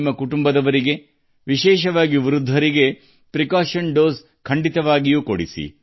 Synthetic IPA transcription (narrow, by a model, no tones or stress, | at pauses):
mːɐkuʈumbɐd̪ɐʋɐɾiɡe̞ | ʋiʃɛːʃɐʋaːɡiʋiɾud̪ʱːɐɾiɡe̞ | pɾikaːʃɐnɖoːs | kʰɐɳɖit̪ɐʋaːɡijuːkoɽisḭ